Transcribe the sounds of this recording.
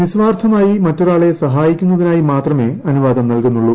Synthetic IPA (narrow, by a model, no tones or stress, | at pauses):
ʋisʋaːrt̪ʰɐmaːjimɐtːoɾaːɭe̞sɐɦaːjikʲːunːɐðinaːjimaːt̪rɐme̞ɐnuʋaːd̪ɐmnɐlkunːuɭːu